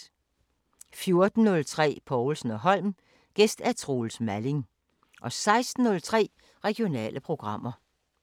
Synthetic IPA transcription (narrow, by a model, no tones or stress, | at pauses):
fjo̝ɐd̥n̩ːɔ̽lt͡sʰʁɛ̰ːpʰɒʊl̩sn̩ɒɦɒ̽l̰m | ɡ̥esd̥æɐt͡sʰʁo̝lsmæle̝ŋ | ʔɒ̽sɑ̈ɪsd̥n̩ːɔ̽lt͡sʰʁɛ̰ː | ʁɛɡ̥io̝nɛ̰ːlʔəpʰʁo̝ɡ̥ʁɑ̈m̰ɐ